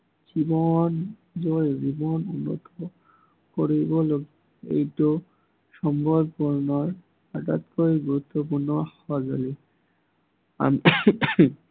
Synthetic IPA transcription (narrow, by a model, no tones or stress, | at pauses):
d͡ʒibɔn | zojbibɔnunːɔ̰t̪ʰɔ | koɹibɔloɡi | ḛjtu | ʃɔmbʱɔbpuɹnɔɹ | ata̰t̪koiɡuɹut̪ːɔp̬uɹnɔhɔazo̰li | a̰m